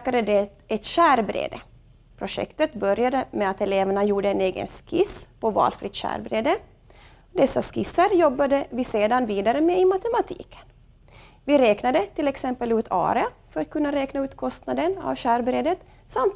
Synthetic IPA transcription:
kad̪əd̪ɛ | ɛt̪ɕæːɾbɾḛːd̪ə | pʰɾʊʂɛ̰kt̪ət̪bœɾjad̪əmɛat̪ɛleːvaɳajuːɖəɛneːɡə̰nskʰɪspʰɔvɑ̰ːlfɾɪt̪ɕæ̰ːɾbɾeːd̪ə | ɔd̪ɛsːaskɪsːaɾjɔbːad̪əvɪseːd̪anviːd̪aɾəmɛɪmat̪ɛmat̪ʰḭːkʰə̥n | vɪɾɛːknad̪ət̪ʰɪlɛksɛmpəlʉːt̪ʰɑ̰ːɾɛafœɾat̪̚kʰɵnːaɾɛːknaʉːt̪kʰɔst̪nad̪əna̰vɕæːɾbɾeːd̪ət̪ | samt̪

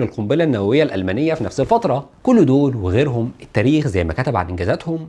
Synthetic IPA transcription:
elqombelænːæwæwejːælʔælmæːnejːæfinæfselfɑt̪ɾˤɑkolːd̪oːlweɣeːɾɦomett̪ːæːɾiːxzæjːmækæt̪æbʕa̰nʔenɡæzæt̪hom

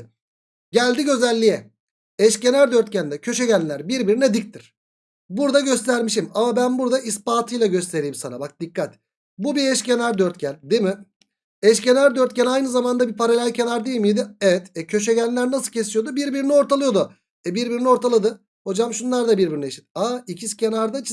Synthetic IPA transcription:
ɟælʲd̪iɟø̞zælʲːijɛ | ɛʃce̞næɾd̪øɾt̪̚cænd̪ɛcʰø̞ʃeɟænʲlʲæɾbiɾbiɾinɛd̪ic̚t̪ʰiɾ̥ | buɾd̪aɟø̞st̪ʰæɾmiʃ̬imamabænbuɾd̪aʔispaːt̪ʰɯjlˠaɟø̞st̪ʰe̞ɾiːmsana̰bak̚d̪ikːat̪ | bubiɛʃcʰenæɾd̪øɾt̪̚cænʲd̪emɪ | ɛʃce̞næɾd̪øɾt̪̚cʰænajnɯzamand̪abipʰaɾalʲælcʰe̞naɾd̪eimijd̪ɪɛvɛt̪ɛcʰø̞ʃ̬ɛɟænʲlʲæɾnasɯlˠcʰe̞sijo̞d̪ubiɾbiɾinio̞ɾt̪ʰalˠɯjo̞d̪ʊ | ɛbiɾbiɾinio̞ɾt̪ʰalˠad̪ɯ | ho̞d͡ʒamʃunlˠaɾd̪abiɾbiɾineʃi̥t̪̚aicʰiscʰenaɾd̪at͡ʃʰ

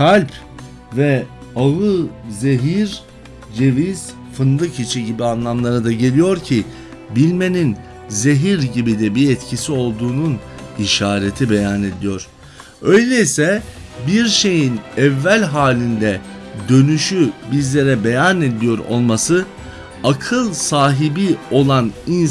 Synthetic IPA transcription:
kʰalʲp | vɛ | aɯzeɦiɾ | ɟe̞viz̥ | fɯnd̪ɯkʰit͡ʃʰiɟibianlˠamlˠaɾad̪aɟe̞lʲijo̞ɾcʰi | bilʲme̞nin | ze̞ɦiɾɟibid̪ɛbiɛt̪cʰisio̞lˠd̪uːnuniʃaːɾe̞t̪ʰibe̞jane̞d̪ijo̞ɾ̥ | ø̞jlʲeisɛ | biɾʃe̞jinɛvːælʲɦaːlʲind̪ɛd̪ø̞nyʃybizlʲe̞ɾɛbe̞janed̪ijo̞ɾo̞̰lˠmasɯ | akʰɯlˠsaːɦibio̞lˠanin

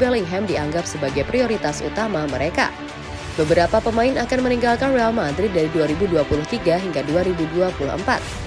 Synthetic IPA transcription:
bɛliŋɦɛmdiaŋɡapsəbaɡajpɾioɾit̪asṵt̪amaməɾeka̰ | bəbəɾapapəmaɪnakanməniŋɡalkanrealmad̪ɾɪt̪̚daɾiduaɾibuduapulʊht̪iɡaɦiŋɡaduaɾibuduapuluhə̰mpa̰t̪̚

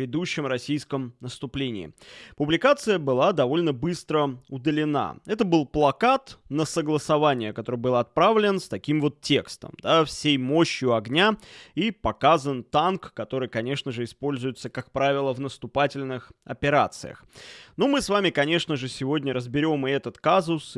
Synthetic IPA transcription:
ɪd̪uɕːɪmrɐsʲijskəmnəst̪ʊplʲenʲɪ̰ːpʊblʲɪkat̪sɨjəbɨlˠad̪ɐvo̞lʲnəbɨst̪ɾəʊd̪əlʲɪna̰ɛt̪əbɨlˠplˠɐkat̪nəsəɡlˠəsɐvanʲɪjəkɐt̪o̞ɾɨjbɨlˠəɐt̪̚pɾavlʲɪnst̪ɐkʲimvo̞t̪tʲːe̞kst̪ə̰md̪afsʲejmo̞ɕːjʊɐɡnʲaipɐkazənt̪ankːɐt̪o̞ɾɨjkɐnʲe̞ʂnəʐɨɪspo̞lʲzʊjʊt̪səkak̚pɾavʲɪlˠəvnəst̪ʊpatʲɪlʲnɨxɐ̰pʲɪɾa̰t̪sɨ̰jə̰xnomɨsvamʲɪkɐnʲe̞ʂnəʐɨsʲɪvo̞dʲnʲəɾəzbʲɪɾʲo̞mɨɛt̪ət̪kazʊs

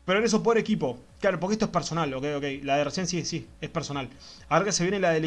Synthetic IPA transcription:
peɾoeɾes̬up̬oɾekipo̞klaɾop̬oɾkeht̪oehpeɾso̞nalo̞kejokejlaðeresjensisiehpeɾsonal | aoɾɣkeseβjenelaðel

